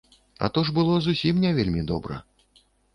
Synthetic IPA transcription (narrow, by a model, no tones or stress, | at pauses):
ɐ̰t̪ɔʐbɨlˠɔzusʲimnʲɛvʲelʲmʲid̪ɔbɾɐ̰